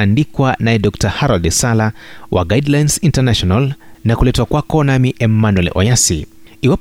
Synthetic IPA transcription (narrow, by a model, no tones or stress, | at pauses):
andikwanajɛdɔktahaɾɔldɛsalawʔa̰ɡajdlajnsintanaʃɔnalnakulɛtwakwakɔnamiʔɛmanwɛlʔɔ̰jasḭ | iwap